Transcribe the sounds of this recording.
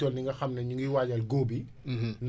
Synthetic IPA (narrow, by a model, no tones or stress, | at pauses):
ɔlniŋɡɐxɐmnɐɲuŋɡiwaːɟɐlɡoːbi | n